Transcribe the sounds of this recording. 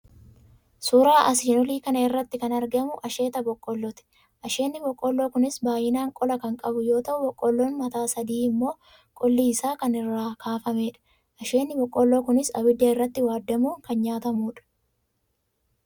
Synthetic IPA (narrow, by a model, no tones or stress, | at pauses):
suːɾaːʔɐsiːnɔliːkɐnɐɪrːɐt̪ːɪkɐnɐɾɡɐmʊʔɐʃe̞ːt̪ɐbɔkʼːɔlːɔt̪ɛ̥ | ʔɐʃe̞ːnːɪbɔkʼːɔlːo̞ːkʊnɪsbaːjɪnaːŋkʼɔlɐkɐŋkʼɐbʊjo̞ːt̪ɐʔʊbɔkʼːɔlːoːnmɐt̪aːsɐd̪iːɪmːo̞ː | kʼɔlːiːɪsaːkɐnɪrːaːkʰaːfɐmeːᶑɐ̥ | ʔɐʃe̞ːnːɪbɔkʼːɔlːo̞ːkʊnɪsɐbɪd̪ːɐɪrːɐt̪ːɪwaːd̪ːɐmuːŋkɐnɲaːt̪ɐmuːᶑɐ̥